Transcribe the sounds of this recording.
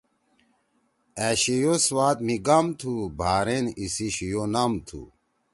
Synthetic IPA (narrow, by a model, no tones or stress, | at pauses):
æɕijoswaːt̪miɡamt̪ʰubʱaːɾenisiɕijonɐmt̪ʰṵ